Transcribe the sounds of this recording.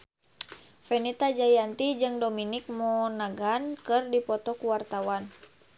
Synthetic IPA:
fɛnit̪ad͡ʒajant̪id͡ʒɨŋdominik̚mɔnaɡankɨrdipɔt̪ɔkuwart̪awan

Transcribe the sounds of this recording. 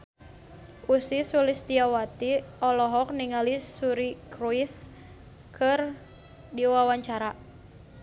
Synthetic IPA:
ʔusisulist̪iawat̪iɔlɔɦɔk̚niŋalisuɾikɾuis | kʰɨr | diwawaɲt͡ʃaɾa

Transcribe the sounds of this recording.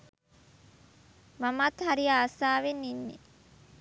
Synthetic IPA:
mamat̪hɐɾijaːsaːʋenːinːḛ

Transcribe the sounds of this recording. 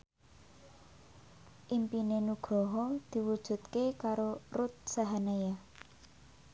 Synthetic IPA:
ʔimpinenuɡ̥ɾɔɦɔd̪̥i̤wud̥ʒ̥ṳt̪̚kekaɾorut̪̚saɦaneja

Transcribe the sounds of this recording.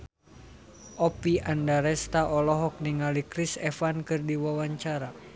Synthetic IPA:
ʔɔpiʔandaɾɛst̪aʔɔlɔɦɔk̚niŋalikɾisɛfankɨrdiwawaɲt͡ʃaɾa

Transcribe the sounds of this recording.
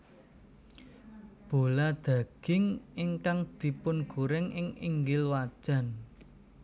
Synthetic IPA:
b̥o̤lad̪̥ä̤ɡ̥ɪ̤ŋɪŋkaŋd̪̥i̤pʊnɡ̥uɾɪŋɪŋḭŋɡɪlwad̥ʒ̥a̤n

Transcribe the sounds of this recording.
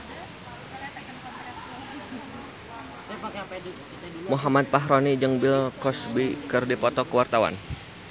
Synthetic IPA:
muɦamat̪̚paɦɾonid͡ʒɨŋbɪlkɔsbikɨrdipɔt̪ɔkəwart̪awa̰n

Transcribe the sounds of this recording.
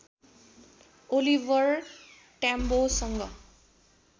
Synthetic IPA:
olibʱʌr | ʈambosʌŋɡʌ

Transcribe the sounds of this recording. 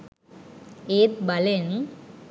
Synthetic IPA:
eːt̪̚balen

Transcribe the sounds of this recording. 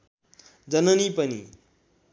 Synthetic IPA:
d͡zʌnʌnipʌnḭ

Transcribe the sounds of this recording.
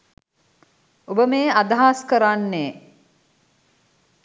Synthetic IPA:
obəmeːad̪aɦaːskəɾanːeː

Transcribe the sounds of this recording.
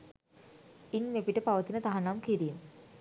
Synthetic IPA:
iɲmepiʈəpaʋət̪inət̪aɦanamkiɾiːm

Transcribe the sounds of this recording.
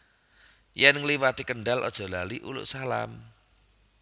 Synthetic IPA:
jɛnŋliwat̪ikənɖalʔɔ̰d̥ʒ̥ɔ̤laliʔulʊ̰ʔsala̰m

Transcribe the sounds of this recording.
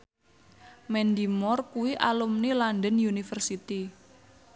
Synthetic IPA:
mɛnd̪imɔrkuwiʔalumnilandənjunifərsit̪i

